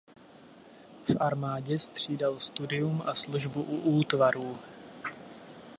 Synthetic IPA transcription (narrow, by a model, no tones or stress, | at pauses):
fʔaɾmaːɟɛst̪r̝̥iːdalst̪udɪjumʔasluʒbuʔuʔuːt̪vaɾuː